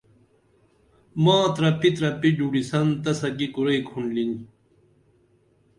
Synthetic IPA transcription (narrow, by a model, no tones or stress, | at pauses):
mãːt̪ɾɐpit̪ɾɐpid͡ʑuɽisɐnt̪ɐsɐkikuɾɐikʰuɳɖlin